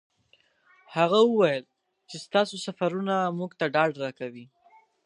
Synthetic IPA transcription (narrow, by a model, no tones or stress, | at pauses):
haɣawəwajəl | t͡ʃest̪ɑsosafaɾunamuɡt̪aɖɑɖɾɑkawi